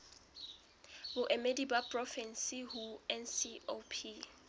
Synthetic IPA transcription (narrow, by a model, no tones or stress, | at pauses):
bʊʔɛmedibapʼrɔfɛnsihuɛnsiopʰi